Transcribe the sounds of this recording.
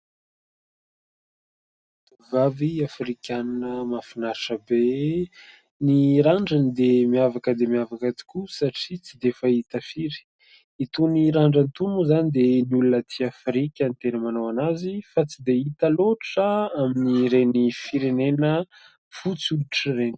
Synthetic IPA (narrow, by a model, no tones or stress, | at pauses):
vaviafɾikʲannəmafinaɾiʈ͡ʂəbe | niɾaɳɖ͡ʐanid̪emiavakəd̪emiavakət̪i̥kusaʈ͡ʂit͡sid̪efait̪əfiɾi̥ | it̪uniɾaɳɖ͡ʐant̪unuzanid̪eniulunət̪ʰiafɾikʲənt̪enəmanowanazifat͡sid̪eit̪əloʈ͡ʂəaminiɾenifiɾenenə | fut͡suliʈ͡ʂireni̥